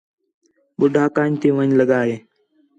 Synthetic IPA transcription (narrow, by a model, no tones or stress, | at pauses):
ɓʊɖʱaːkaːɲt̪eːʋəɲləɠaːɦeː